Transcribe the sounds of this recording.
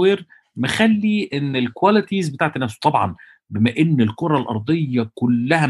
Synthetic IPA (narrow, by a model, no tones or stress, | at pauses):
iːɾ | mexælːiʔenːelkwælɪt̪izbet̪aːʕt̪enːæːsu̥t̪ˤɑbʕɑ̰n | bemæʔenːelkoɾˤɑlʔɑ̰ɾˤd̪ˤejːɑkolːæhæ